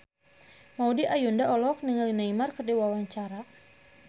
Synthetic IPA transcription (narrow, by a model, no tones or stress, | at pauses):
maudiʔajundaɔlɔk̚niŋalinaimarkərdiwawaɲt͡ʃaɾa